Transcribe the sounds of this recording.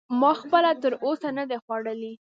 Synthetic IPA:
mɑxpəlat̪əɾosanad̪exwaɽəli

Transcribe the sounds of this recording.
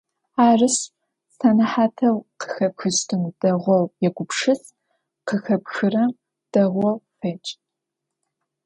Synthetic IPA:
aːrɨs | saːnɐħaːtʰɐwqʰə̥xɐpxɨstʰɨnd̥ɐʁʷɔwjɛɡʷʊpʂɨs | qəxɐpxɨrɐm | d̥ɐʁʷɔwfeːt͡ʃʼ

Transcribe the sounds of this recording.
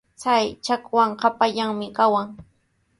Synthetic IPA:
t͡sajt͡ʃakwaŋqapaʎaŋmɪkawaŋ

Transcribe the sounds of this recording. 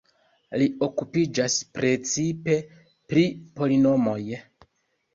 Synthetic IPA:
lio̞kupid͡ʒaspɾe̞t͡sipe̞ | pɾipo̞lino̞mo̞j

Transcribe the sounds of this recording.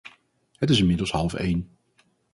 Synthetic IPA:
hətɪsɪnmɪdəlˠshɑlˠfḛjn

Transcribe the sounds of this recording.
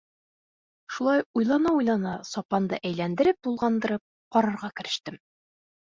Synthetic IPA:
ʃulˠɑjujlˠɑnɑujlˠɑnɑsɒpɑnd̪ɤ̰ʔæjlænd̪ɘ̆ɾɘp̚t̪ulˠʁɑnd̪ɤ̆ɾɤp̚ | qɒɾɤ̆ɾʁɑkɘ̆ɾɘ̆ʃt̪ɘm

